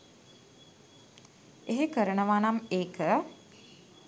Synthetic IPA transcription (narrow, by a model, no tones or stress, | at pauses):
eɦekəɾəɳəʋaːnameːkə